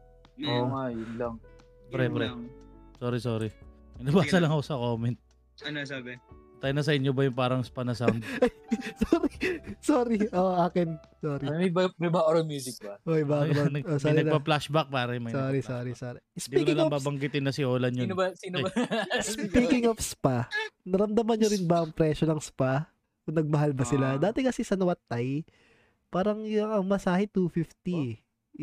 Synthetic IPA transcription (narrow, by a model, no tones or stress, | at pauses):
oŋajʊnlɐŋ | bɾɛbɾɛsoːɾisoːɾimɐnɐbaːsɐlɐŋɐkosɐkoːmɛnt̪̚ | ɐnsabɛt̪ɐjnɐs̬ɐɪɲːobɐjʊŋpaːɾɐŋspɐnɐsawnd̪ɐjsoːɾisoːɾiʔoʔʔaːkɪnsoːɾimɐbmɐbaʔoɾɐmjuːs̬ɪk̚bɐʔojbaɐnɐʔosoɾnɐɡlpaplaʃbak̚paːɾɐmɐsoːɾisoɾisoːɾisdp̪iiːnɪɐlɐbaːbɐŋɡɪt̪ɪnːɐsɪʔoːlɐnjobsiːn | piːkɪŋofspanɐɾɐmd̪ɐmɐnɲoɾɪnbɐʔɐŋpɾɛʃonɐŋspa | ʔonɐɡ̚mɐɦalbɐsɪlad̪aːt̪ɛkɐsɛsɐnɐwɐt̪ːaj | paːɾɐŋjʊŋɐŋmɐsaːhɛt̪ufift̪i